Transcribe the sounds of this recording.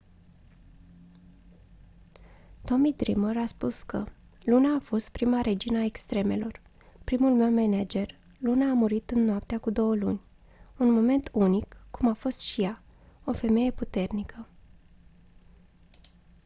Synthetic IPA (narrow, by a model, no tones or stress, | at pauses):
t̪o̞mid̪ɾiməɾaspuskə | lunaːfo̞st̪̚pɾimaɾe̞d͡ʒinəaekst̪ɾe̞me̞lo̞r | pɾimulme̞wmenad͡ʒe̞r | lunaːmuɾit̪ɨnːoap̚t̪eakud̪o̞wəlunʲ | unmo̞me̞nt̪ʰunikːumafo̞st̪ʃija | o̞fe̞me̞je̞put̪e̞rnikʰə